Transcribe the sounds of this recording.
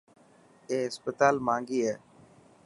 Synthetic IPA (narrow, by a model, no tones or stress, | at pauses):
eːɦɪspət̪aːlmãːŋɡiːɦɛː